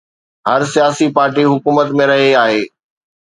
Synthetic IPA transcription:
ɦɐɾsijaːsipaːɾʈiɦʊkuːmət̪mẽɾɐɦeaːɦeː

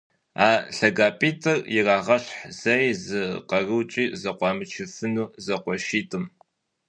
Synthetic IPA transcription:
aːɬɐɡaːpʼiːtʰʼɨrjɪraːʁɐɕħz̥ɐjzɨqɐrɨwt͡ʃʼiːzɐqʷɑːmɨt͡ʃʰɪfɨnuːzɐqʷɔʃiːtʼɨm

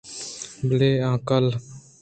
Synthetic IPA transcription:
bleːãːkəl

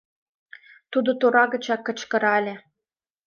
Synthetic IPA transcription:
t̪ud̪ŏt̪oɾɑɣə̆t͡ɕɑkːɤ̆t͡ɕkɤ̆ɾɑlʲĕ

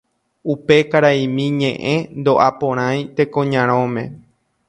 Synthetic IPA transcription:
upe̞kaɾaĩmĩɲḛ̃ʔẽnd̪o̞ʔapõɾ̃ãj̃t̪e̞kõɲãɾ̃õmẽ̞

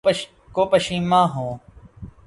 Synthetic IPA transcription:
koːpəʃĩːmãːɦõː

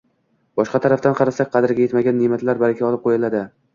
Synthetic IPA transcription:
b̥ɒʃqɑt̪ʰaɾaft̪anqʰɑɾasak̚ʲqʰɑd̪ɪɾɡʲaje̞t̪maɡʲanːemat̪ʰlaɾbaɾkʲaɒlˠɪp̚qʰojɪlad̪ɪ

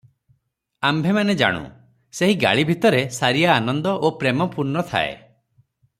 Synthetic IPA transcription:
ambʱemaned͡ʒa̰ɽ̃ṵ | seɦiɡa̰ɭibʱit̪ɔɾesaɾijaːnɔnd̪ɔʔopɾemɔpuɾnɔt̪ʰa̰ḛ

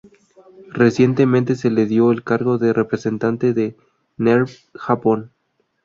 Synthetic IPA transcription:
re̞sje̞nt̪e̞mẽnt̪e̞s̬e̞le̞ðjo̞elkaɾɣo̞ðere̞pɾe̞se̞nt̪ant̪e̞ðe | neɾ | xapo̞n

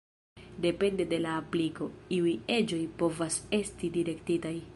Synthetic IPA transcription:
de̞pe̞nde̞de̞laːpliko̞iuje̞d͡ʒo̞jpo̞vase̞stidiɾe̞ktitaj

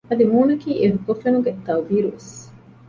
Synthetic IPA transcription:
ɐd̪imuːnɐkiːʔeɦuk̪ofenuɡet̪ɐubiːɾuʋes

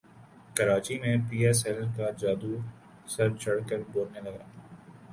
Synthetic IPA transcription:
kəɾaːt͡ʃimẽpiːɛːsɛlkad͡ʒaːd̪u | sɐɾt͡ʃʰɐɽkəɾboːɾnelɐɡaː

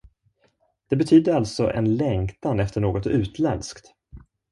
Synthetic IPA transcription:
d̪̥ɛbɛt̪ʰyːd̪əɾalt̪sɔʔɛ̰nlɛŋkt̪anɛft̪əɳoːɡɔt̪ʉ̟ːt̪ʰlɛnskt̪

